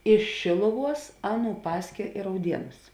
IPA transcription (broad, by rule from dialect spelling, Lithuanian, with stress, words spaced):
ɪʃ ʃʲeːlˠʊˌʋuɔs ˈɑːˌnuː ˈpɑːsʲkʲeː ɪ rɐʊˈdʲiɛnʊs